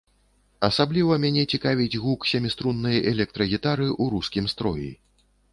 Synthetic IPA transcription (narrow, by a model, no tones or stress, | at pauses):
ɐsablʲivɐmʲanʲɛt͡sʲikavʲid͡zʲɣuksʲɛmʲist̪ɾunːɨjɐʔɛlʲɛk̚t̪ɾɐɣʲit̪aɾɨʔuɾuskʲimst̪ɾɔjḭ